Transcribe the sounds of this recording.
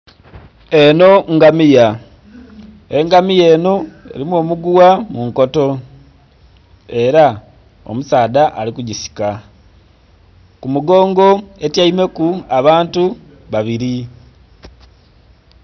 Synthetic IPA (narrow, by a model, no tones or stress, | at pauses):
e̞no̞ŋɡamija | e̞ŋɡamije̞ːno̞e̞̰ɾimwo̞ːmuɡuwamuŋko̞to̞ | e̞ɾa | o̰musaːdaʔalikuɟisi̥ka | kumuɡo̞ːŋɡo̞e̞tjaime̞kuaβaːntu | βaβiɾi